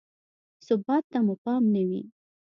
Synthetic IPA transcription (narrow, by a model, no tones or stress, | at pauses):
sʊbɑt̪ːamupɑmnawḭ